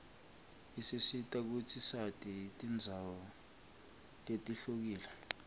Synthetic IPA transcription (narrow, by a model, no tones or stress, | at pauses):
isisitʼak̬utʰisatʼitʼind͡zʱawɔ | letʼiɬok̬iːla